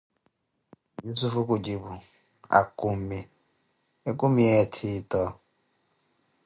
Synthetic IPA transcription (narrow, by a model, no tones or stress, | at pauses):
jus̬ufukud͡ʒibu | a̰kum̩mi | ekumietʰitɔ